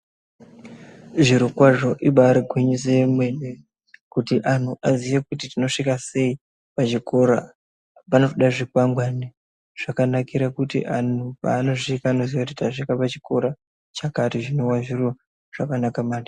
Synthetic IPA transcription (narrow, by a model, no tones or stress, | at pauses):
ʐiɾokwaʐo̞ʔiɓaːɾiɡʱwiɲis̬emwene | kutiʔan̤uʔaziʋekutitino̞ʂikase̞i | pat͡ʃiko̞ɾa̰ | panofoɗaʐikwaŋɡwani | ʐ̥akanakiɾakutḭʔan̤upa̰ːno̞ʐikaːno̞ziʋakutitaʂikapat͡ʃi̥ko̞ɾa | t͡ʃakatiʐinowaʐiro | ʐ̥akanakamaːti̥